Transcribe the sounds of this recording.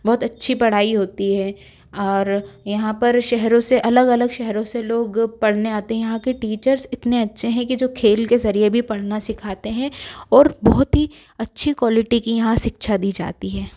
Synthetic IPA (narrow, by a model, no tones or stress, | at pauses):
bɔɦːʊt̪ɐtːʃʰipɐɽ̤aːiɦoːt̪iɦɛː | ɔːɾjɐɦãpɐɾʃɛɦɾõseʔɐləɡɐləɡʃɛɦɛɾõseloːɡpɐɽ̤neaːt̪eɦɛ̃jɐɦãkeʈiːt͡ʃəɾzɪt̪neɐtːʃʰeɦɛ̃kid͡ʒoːkʰeːlkezɐɾiebʱipɐɽ̤nasɪkʰaːt̪eɦɛ̃ɔːɾbɔːɦʊt̪ɦi | ɐtːʃʰikwaːlɪʈikijɐɦãʃɪkʃad̪iːd͡ʒa̰ːt̪iɦɛː